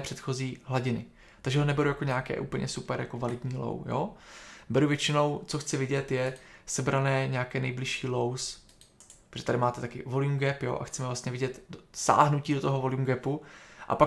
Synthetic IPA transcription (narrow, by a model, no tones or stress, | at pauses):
pr̥ɛt̪xo̞ziːɦlaɟɪnɪ̰ | t̪aɡʒɛɦonɛbɛɾujako̞ɲaːkɛ̰ːʔṵːpl̩ɲʔɛ̰supɛɾja̰kovalɪd̪ɲiːlo̰wjo̰bɛɾuvjɛt͡ʃɪno̞wt͡soxt͡sɪvɪɟɛt̪jɛsɛbɾanɛːɲakɛːnɛjblɪʃiːlows | poʒɛt̪adɪmaːt̪ɛt̪akɪvoljumɡɛpjo̞̰ːʔa̰xt͡sɛmɛvlast̪ɲɛvɪɟɛt̪dosa̰ːɦnuciːdo̞t̪oɦovo̞ljuːmɡɛpuʔa̰pa